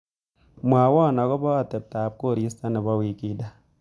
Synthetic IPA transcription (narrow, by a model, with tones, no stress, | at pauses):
mʷ˨a˨˦wɔ˦˨na˨kɔ˦bɔ˦a˨te˨p̚ta˨p̚ko˦˨ɾi˦sta˦ni˨ba˦wi˨ki˦da˦